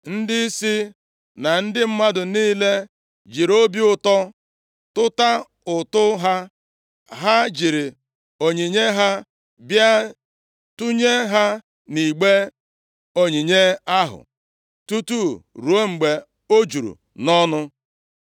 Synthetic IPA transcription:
n̩˦dɪ˦si˦ | na˨n̩˦dɪ˦m̩˦ma˦dʊ˨niː˦le˦ | d͡ʒi˨ɾo˦bi˦ʊ˨tɔ˦ | tʊ˦ta˦ | ʊ˨tʊ˦ɦa˦ | ɦa˦d͡ʒi˨ɾɪ˨ | o˨ɲi˨ɲe˦ɦa˦ | bja˦ | tu˦ɲe˦ɦa˦ | ni˨ɡ͡be˦ | o˨ɲi˨ɲe˦a˦ɦʊ̰˨ | tu˦tu˦ɾu˨o˦ŋ͡m̩˨ɡ͡be˨ | o˦d͡ʒu˨ɾṵ˨ | nɔ˦nʊ˦

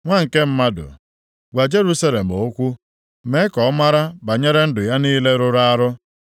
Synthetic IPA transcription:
ŋʷa˦ŋ̩˨ke˦m̩˦ma˦dʊ̰˨ | ɡʷa˨d͡ʒe˦ɾu˦sa˦le˨m̩˨o˦kʷu˦ | me˦kɔ˨˦ma˦ɾa˦ba˨ɲe˦ɾe˦n̩˦dʊ˨ja˦niː˦le˦ɾʊ˦ɾa˦a˦ɾʊ˦

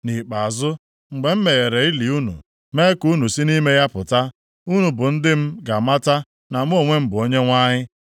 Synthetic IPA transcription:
ni˨k͡pa˨zʊ˦ | ŋ͡m̩˨ɡ͡be˨m̩˦me˨ɣe˨ɾe˨i˦li˨u˦nṵ˨ | me˦ku˦nu˨si˦ni˦me˦ja˦pʊ˨ta˦ | u˦nu˨bʊ˨n̩˦dɪ˦m̩˦ɡa˨ma˦ta˦ | na˨m̩˦o˦˨ŋʷe˦m̩˦bʊ˨o˦ɲe˦ŋʷa˦ɲɪ˦

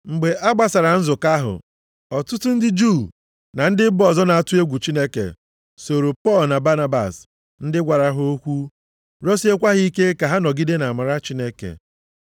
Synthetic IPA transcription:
ŋ͡m̩˨ɡ͡be˨ʔa˦ɡ͡ba˨sa˨ɾa˨n̩˦zʊ˨ka˦ɦʊ̰˨ | ɔ˨tʊ˦tʊ˦n̩˦dɪ˦d͡ʒu˦˨ | na˨n̩˦dɪ˦bɔ˨zɔ˦na˨a˦˨tʊ˦e˦ɡʷu˨t͡ʃi˦ne˦kḛ˨ | so˨ɾo˨pɔ˦˨lna˨ba˦na˦ba̰˨s | n̩˦dɪ˦ɡʷa˨ɾa˨ɦo˦kʷu˦ | ɾɔ˦se˦kʷa˦ɦi˦ke˦ka˨ɦa˦nɔ˨ɡi˦de˦na˨ma˨ɾa˦t͡ʃi˦ne˦kḛ˨

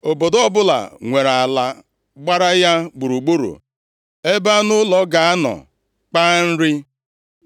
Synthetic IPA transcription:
o˨bo˨dɔ˦bʊ˦la̰˨ŋʷe˨ɾa˨a˨la˦ | ɡ͡ba˦ɾa˦ja˦ɡ͡bu˨ɾu˨ɡ͡bo˦ɾṵ˨ | e˦ba˦nʊ˦lɔ˨ɡa˨a˦nɔ̰˨ | k͡pa˦n̩˦ɾɪ˦

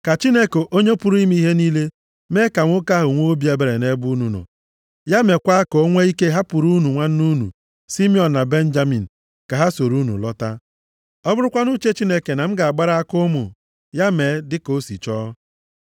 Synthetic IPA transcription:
ka˨t͡ʃi˦ne˦ko˨ʔo˦ɲe˦pu˦ɾu˦i˦m˦i˦ɦe˦ni˦le˦ | me˦ka˨ŋʷʊ˦ka˦ɦʊ˨ŋʷo˦o˦bi˦e˨˦be˨ɾe˨ne˦bu˦nu˨nɔ̰˨ | ja˦me˨kʷa˦ko˨o˦ŋʷe˦i˦ke˦ɦa˦pu˨ɾu˦nu˨ŋʷa˦n̩˦nu˦nṵ˨ | si˦mi˦ɔ˨n̩˨na˨be˦n̩˦d͡ʒa˦mi˨n̩˨ | ka˨ɦa˦so˨ɾu˦nṵ˨lɔ˦ta˦ | ɔ˦bʊ˦ɾʊ˦kʷa˦nu˦t͡ʃe˦t͡ʃi˦ne˦ke˨na˨m̩˦ɡa˨a˨ɡ͡ba˦ɾa˦a˦kʊ˦mʊ˨ | ja˦me˨˦dɪ˦ko˦sḭ˨t͡ʃɔː˦

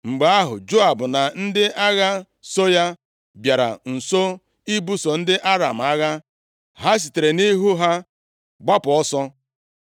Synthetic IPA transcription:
ŋ͡m̩˨ɡ͡ba˦ɦʊ̰˨d͡ʒo˦a˨bʊ˨na˨n̩˦dɪ˦ʔa˦ɣa˦ | so˦ja˦ | bja˨ɾa̰˨n̩˨so˦ | i˦bu˦so˨n̩˦dɪ˦ʔa˦ɾa˨m̩˨a˦ɣa˦ | ɦa˦s̬i˨te˨ɾe˨ni˦ɦu˦ɦa˦ | ɡ͡ba˦pɔ˦sɔ˦

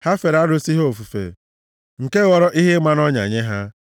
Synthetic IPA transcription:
ha˦fe˨ɾa˦ɾo˦si˦ɦo˨fu˨fḛ˨ | ŋ̩˨ke˦ɣɔ˦ɾɔ˦ʔi˦ɦe˦ma˦n˦ɔ˦ɲa̰˨ɲe˦ɦa˦

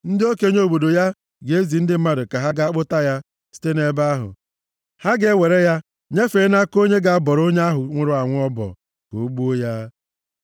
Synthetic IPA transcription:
n̩˦dɪ˦o˦ke˨˦ɲ˦o˨bo˨do˨ja˦ | ɡe˨e˦zi˨n̩˦dɪ˦m̩˦ma˦ɾʊ˨ka˨ɦa˦ɡa˨a˦k͡pʊ˦ta˦ja˦ | si̥˦te˦ne˦ba˦ɦʊ̰˨ | ha˦ɡe˦we˨ɾe˦ja˦ | ɲe˦fe˨˦na˦ko˦ɲe˦ɡa˨a˦bɔ˨ɾo˦ɲe˦a˦ɦʊ˨ŋʷʊ˦˨ɾʊ˦a˨ŋʷ˦ɔ˦bɔ̰˨ | ko˨˦ɡ͡bu˦o˦ja˦

